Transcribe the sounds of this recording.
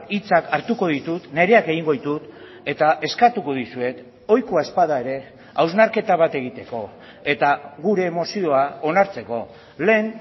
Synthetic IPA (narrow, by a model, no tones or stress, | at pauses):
it͡sakaɾt̪uko̞ðit̪ut̪ne̞ɾe̞ake̞ɣiŋɡo̞ðit̪ut̪ | e̞t̪aʔe̞skat̪uko̞ðisue̞t̪ | o̞jkoae̞spaðae̞ɾe̞ | awznaɾke̞t̪aβ̞at̪e̞ɣ̞it̪e̞ko̞ | e̞t̪aɣuɾe̞ːmo̞sio̞ao̞naɾt͡se̞ko̞ | le̞ːn